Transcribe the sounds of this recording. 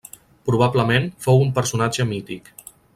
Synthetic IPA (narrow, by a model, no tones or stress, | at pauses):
pɾuβ̞abləmenfowumpəɾsunad͡ʒəmit̪ik